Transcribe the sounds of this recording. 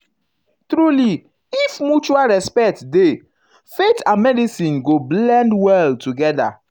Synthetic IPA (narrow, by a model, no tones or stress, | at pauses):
tɾuli | ifmut͡ʃualɹɛspɛk̚tde | fetãnmɛdisĩnɡoblɛ̃ndwɛltuɡɛda̰